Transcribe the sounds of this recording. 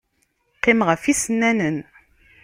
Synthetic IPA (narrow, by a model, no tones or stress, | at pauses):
qːimʁəfisənːænən